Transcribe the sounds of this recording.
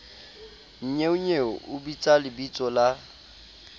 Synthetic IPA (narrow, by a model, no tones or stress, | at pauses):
n̩ɲeʊɲeɔʔʊbit͡sʼalɪbit͡sʼɔla